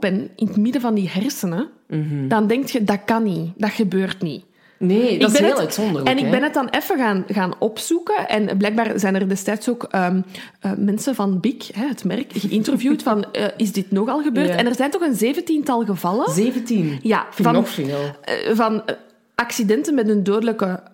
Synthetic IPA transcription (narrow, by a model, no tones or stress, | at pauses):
ɡ̚bɛnɪnətmɪdəvɑndiɦɛrsənə | dɑndɛŋk̚txədɑkɑnid̥ɑxəbøːrtnḭ | neɪɡbɛnəelœtsɔndərɛnɪɡ̚bɛnət̚ɑnɛfəɣaːnɣaːnɔpsukəʔɛ̰nblɛːjɡ̚baːrzɛːnərdɛstɛːtsoːkəː | əːmɛnsəvɑnbɪkɦɛɦətmɛrkɣəʔɪntərovjuːtfɑnəʔɪzdɪtnɔxɑlˠɣəbøːrtɛnɛrzɛːntɔxənzeːvəntintɑlˠɣəvɑləzeːvəntinja̰vɑnːl̰vɑn | ʔɑksidɛntənmɛtəndoːdələkə